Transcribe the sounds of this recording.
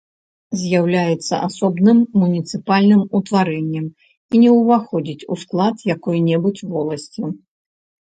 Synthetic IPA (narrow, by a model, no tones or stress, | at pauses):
zʲjawlʲajɛt̪sːɐ̰ʔasɔbnɨmːunʲit̪sɨpalʲnɨmut̪vaɾɛnʲːɛm | inʲɛwvaxɔd͡zʲit͡sʲṵsklˠat̪jakɔjnʲɛbut͡sʲvɔlˠɐsʲt͡sʲi